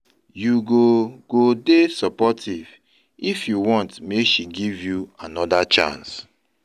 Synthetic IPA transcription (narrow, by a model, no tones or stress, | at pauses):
juɡoɡ̥odesɔpɔtʰiv | ifjuwɔ̃ntmeʃiɡivjuanɔdat͡ʃã̰ns